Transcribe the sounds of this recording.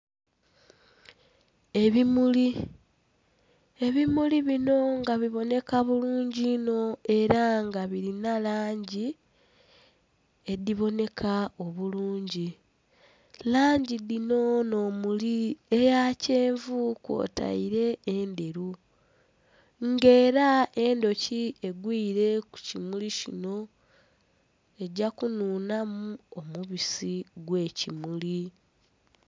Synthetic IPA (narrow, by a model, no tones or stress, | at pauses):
e̞βimuli | e̞βimuliβino̞ŋɡaβiβo̞ne̞kaβuluːɲɟino̞e̞ɾaŋɡaβiɾinalaːɲɟi | ediβo̞ne̞kʰao̞βuluːɲɟi | laːɲɟidino̞no̞ːmuliejaːce̞ːɱvukwo̰ːtʰa̰iɾe̞ːnde̞ɾu | ŋɡe̞ːɾae̞ndo̞cie̞ɡwiːɾe̞ku̥cimulicḭno̞ | e̞ɟakunuːnamuomuβisiɡwe̞ːcimuli